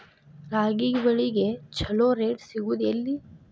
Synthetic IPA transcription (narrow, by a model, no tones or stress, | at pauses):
ɾaːɡiʋɐɭiɡet͡ʃʰɐloːɾeːɖsiɡud̪ɐlːi